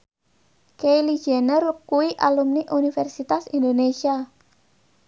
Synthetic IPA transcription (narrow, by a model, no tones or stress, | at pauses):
kejli̥ʒ̥ɛnərkuwiʔalumniʔunifɛrsit̪asind̪onesia